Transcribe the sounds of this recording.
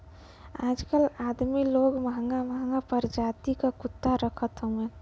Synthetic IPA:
aːd͡ʒkəlad̪miloːɡməɦəŋɡaməɦəŋɡapəɾd͡ʒaːt̪ikakʊt̪ːaɾəkʰət̪ɦõe

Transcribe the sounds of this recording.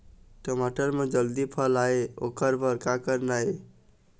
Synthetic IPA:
ʈomaʈəɾmed͡ʒəld̪ipʰəlaeokəɾbəɾkakəɾnae

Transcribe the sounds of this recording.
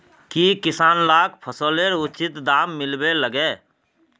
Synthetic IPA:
kikɪsaːnlaːkpʰəsəːleɾʊt͡ʃɪt̪d̪aːmːɪlbeləɡeː

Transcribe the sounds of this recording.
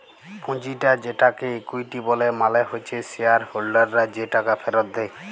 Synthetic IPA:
pũd͡ʑiʈad͡ʑeʈakeekujʈibɔlemaleɦojt͡ɕʰeseaɾholɖaɾːad͡ʑeʈakafʰeɾot̪̚d̪e

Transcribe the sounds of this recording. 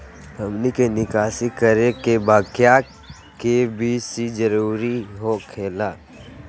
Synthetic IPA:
bʱəmnikenɪkaːsikəɾekebaːkja | kebʱisid͡ʒəɾuːɾiɦokʰeːlaː

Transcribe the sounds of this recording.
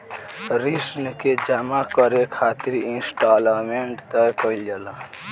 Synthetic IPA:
ɾisnked͡ʒamakʌɾekʰat̪iɾinsʈalmeɳʈt̪ʌjkʌiljela

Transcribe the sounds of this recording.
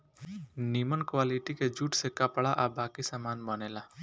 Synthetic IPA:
niːmənkwaːliʈiked͡ʒuːʈsekɐpɭaʔabaːkisamaːnməneːlaː

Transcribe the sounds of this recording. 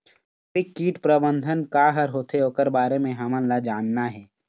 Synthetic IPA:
ɪkːiːʈpɾəbə̃nd̪ʱənkaɦɐɾɦoːt̪ʰeoːkəɾbaːɾemẽɦɐmə̃nlad͡ʒaːnːaɦɛː

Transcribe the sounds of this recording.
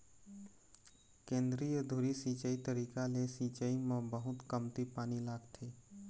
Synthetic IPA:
kẽːnd̪ɾijəd̪ʱuɾisiːt͡ʃəit̪əɾiːkalesiːt͡ʃəimẽbəɦʊt̪kəmt̪ipaːnilaːɡt̪ʰiː

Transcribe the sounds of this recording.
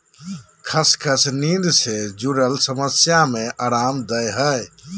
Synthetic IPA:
kʰəskʰəsnind̪sed͡ʒuɾəlsəməsjameʔaɾamd̪əjɦəj

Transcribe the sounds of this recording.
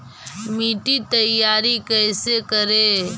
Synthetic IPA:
miːʈit̪əjaːɾikəjsekəɾe

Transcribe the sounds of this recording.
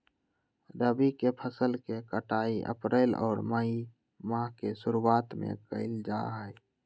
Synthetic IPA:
ɾəbikepʰəsəlkekəʈaːiʔə̰pɾeːlɔ̰ːɾməi | mãɦkesʊɾuaːt̪mḛ̃kə̰ɪld͡ʒaːɦɛː

